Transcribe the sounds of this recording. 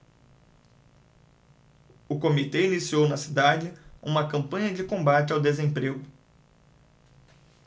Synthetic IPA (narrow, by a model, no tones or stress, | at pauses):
ʊkomit̪einisiownɐsid̪ad͡ʒɪṵ̃mɐkɐ̃mpɐ̃ɲɐd͡ʒɪkõbat͡ʃɪawd̪ezẽpɾeɡʊ